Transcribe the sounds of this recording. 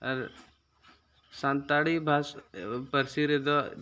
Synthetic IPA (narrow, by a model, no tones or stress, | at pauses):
ə̰ɾ | sãnt̪aɽibʱaspəɾsiɾed̪ɔ